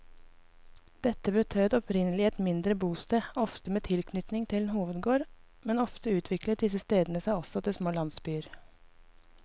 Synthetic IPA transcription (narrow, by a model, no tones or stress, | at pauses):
d̪̥ɛt̪ːəbət̪ʰøːd̪ɔpɾɪnəlɪɛt̪mɪnd̪ɾəbuːst̪eːɔft̪əmeːt̪ʰɪlkʰnʏt̪nɪŋt̪ʰɪlnɦuːʋəd̪ɡoːɾ | mɛnɔft̪əʉːt̪ʰʋɪklət̪̚d̪ɪsəst̪eːd̪nəsæɪɔsɔt̪ʰɪlsmoːlɑnsbyːəɾ